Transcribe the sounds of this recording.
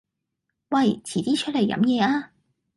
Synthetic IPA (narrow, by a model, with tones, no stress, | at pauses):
wɐ˥˨˩jt͡sʰiː˨˩t̪iː˥t͡ʃʰɵ˥t̚le˨˩jːɐ̰˧˥mjɛː˨˧aː˧˥